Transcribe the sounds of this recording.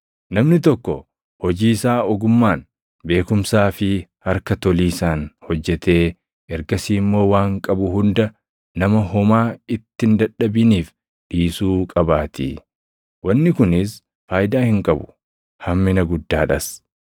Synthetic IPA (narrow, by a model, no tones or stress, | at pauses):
nɐmnɪt̪̬ɔkːɔ | hɔd͡ʒiːsaːɔɡʊmːaːn | be̞ːkʊmsaːfɪhɐɾkɐt̪ɔliːsaːnhɔd͡ʒːɛt̪e̞ː | ɛɾɡɐsiːmːo̞ːwaːŋkʼɐbʊɦʊnd̪ɐ | nɐmɐɦɔmaːɪt̪ːɪnd̪ɐᶑːɐbɪniːf | ᶑiːsuːkʼɐbaːt̪ḭ | wɐnːɪkʊnɪs | faːjd̪aːhɪŋkʼɐbʊ̥ | hɐmːɪnɐɡʊd̪ːaːᶑɐs